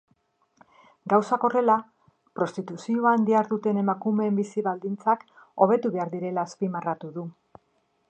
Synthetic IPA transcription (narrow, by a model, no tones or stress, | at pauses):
ɡawsako̞re̞la | pɾo̞st̪it̪usioaːnd̪iaɾðut̪e̞ne̞makume̞ːmbisiβald̪int͡sak | o̞β̞e̞t̪uβe̞aɾðiɾe̞laːspimarat̪uðu